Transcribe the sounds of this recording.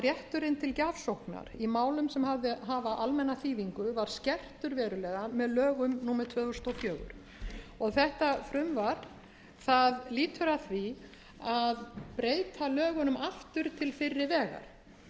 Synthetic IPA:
rjɛht̪ʏɾɪnt̪ʰɪlcavsowhkna̰ɾimaːwlʏmsɛmhavðɪɦaːvaʔalmɛnːaθiːðiŋkʏvaɾ̥scɛr̥t̪ʏɾvɛːɾʏlɛːɣamɛðlœːɣʏmnuːmɛt̪ʰvœːðɔst̪ofjœːɣʏ̰ɾ̥ | ɔɣθɛht̪afɾʏmvaɾ̥ | θaðliːt̪ʰʏɾaθvi | aðpɾeːjt̪ʰalœːɣʏnʏmaft̪ʏɾ̥t̪ʰɪlfɪrːɪvɛːɣa̰ɾ̥

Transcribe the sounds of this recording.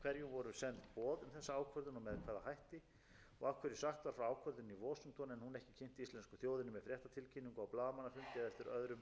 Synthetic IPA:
kʰvɛɾjunvɔɾʏmsɛnt̪pɔːðʏmθɛsːaaːwkʰœɾðɪnɔmɛðkʰvaːðaɦajht̪ɪ | ɔɣafkʰvɛɾɪsaxt̪vaɾ̥fɾawaːwkʰvœɾðɪnivɔːsʏŋt̪ɔnɛnhunɛhcɪcʰen̥t̪ɪist̪lɛnskʏθjoːwðɪnɪmɛðfɾjɛht̪at̪ʰɪlcʰɪnːiŋkawplaːðamanːafʏmc̪ɛðɛlt̪ɪɾœðɾʏm

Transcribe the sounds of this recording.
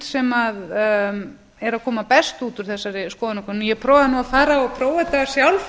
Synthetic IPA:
sɛmað | ɛɾaðkʰɔːmapɛst̪uːt̪ʏɾ̥θɛsːaɾɪskɔːðanɔkʰvɛɾnjɛpʰɾɔwvaðnuːafaːɾaɔpʰɾoːwvat̪aḁsjawlf

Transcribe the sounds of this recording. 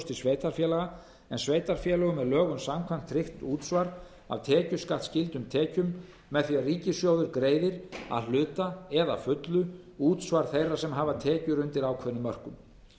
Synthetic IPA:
st̪ɪsveːjt̪aɾfjɛːlaɣa | ɛnsveːjt̪aɾfjɛːlœɣʏmɛðlœːɣʏmsamkʰvajm̥t̪ʰɾɪxt̪uːt̪svaɾ | a̰vt̪ʰɛːcʏskat̪scɪlt̪ʏmt̪ʰɛːcʏmː | ɛðθiariːcɪsjoːwðʏɾkɾeːjðɪɾa̰ðl̥ʏːt̪aɛða̰fʏt̪lʏuːt̪svaɾ̥θejrasɛmɦaːvat̪ʰɛːcʏɾʏnt̪ɪɾaːwkʰvɛnʏmːœr̥kʏm

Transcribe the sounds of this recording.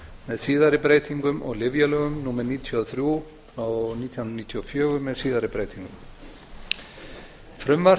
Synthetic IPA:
mɛðsiːðaɾɪpɾeːjt̪iŋkʏmʔɔ̰ɣlɪvjalœːɣʏmnuːmɛɾniːt̪ʰjɔðθɾju | ɔɣniːt̪ʰihʏnɾniːt̪ʰjɔfjœːɣʏmɛðsiːðaɾɪpɾeːjt̪ʰiŋkʏm | fɾʏmva

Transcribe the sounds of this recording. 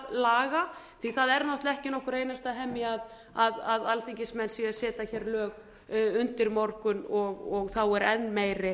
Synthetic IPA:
laːɣa | θiθaðɛɾnɔht̪lɛhcɪnɔhkʏɾeːjnast̪aɦɛmːɪað | aðaðalt̪iɲcɪsmɛnsiasɛːt̪açɛɾlœːk | ʏnt̪ɪɾmɔɾkʏnɔɣɔɣθawɛɾɛnːmeːjɾɪ

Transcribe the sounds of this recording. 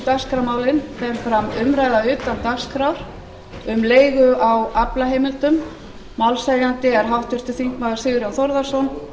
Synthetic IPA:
t̪askɾawmaːwlɪnθɛmfɾamʏmɾaːjðaʏːt̪ant̪askɾawɾ̥ | ʏmleːjɣʏawaplaɦejmɪlt̪ʏmː | awlsɛɾjant̪ɪɛɾ̥ɦawht̪ʏɾ̥t̪ʰɪθiŋ̥kmaðɪsɪːɣɾjawθɔɾðḁsɔn

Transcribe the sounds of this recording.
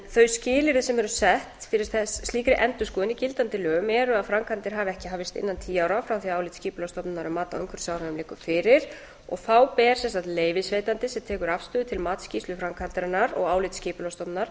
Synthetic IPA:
θœɥscɪːlɪɾɪsɛmɛɾʏsɛht̪fɪɾɪɾ̥θɛsːt̪liːkɾɪʔɛnt̪ʏskɔːðɪnicɪlt̪ant̪ɪlœːʏmɛɾʏaðfɾamkʰant̪ɪɾ̥ɦaːvɪɛhcɪɦaːvɪst̪ɪ̰nːant̪ʰiːawɾafɾawθiaaːwlɪt̪sciːpʏlœst̪ɔpnɪnaɾʏmːaːt̪aœŋkʰʏɾ̥sjaːwɾanʏmlɪːkʏfɪːɾɪɾ̥ | ɔ̰ɣθawpɛːɾ̥sɛnsant̪leːjvɪsveːjt̪ant̪ɪsɛmt̪ʰɛːkʏɾafst̪ʏːðʏt̪ʰɪlmaːt̪sciːslʏfɾamkʰant̪ɾɪnːaɾɔ̰ɣaːwlɪt̪scɪːpʏlœst̪ɔpnaɾ̥

